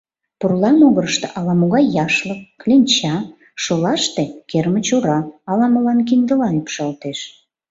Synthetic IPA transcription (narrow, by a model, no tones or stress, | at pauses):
purlɑmoɣəɾəʃt̪əʔɑlɑmoɣɑjːɑʃləkːlʲenʲt͡ɕɑ | ʃolɑʃt̪ekermət͡ɕoɾɑːlɑməlɑnkind̪əlɑypʃɑlt̪eʃ